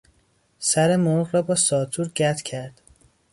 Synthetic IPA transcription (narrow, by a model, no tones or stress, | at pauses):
sæɾemoʁɾɒːbɒːsɒːt̪ʰuɾɟæt̪ʰcʲʰæɾd̪̥